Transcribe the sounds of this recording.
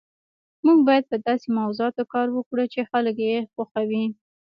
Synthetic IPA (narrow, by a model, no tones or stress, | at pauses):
muɡ̚bɑjad̪̚pəd̪ɑsemawzoɑt̪okɑɾwəkɽət͡ʃexalək̬jexaxawi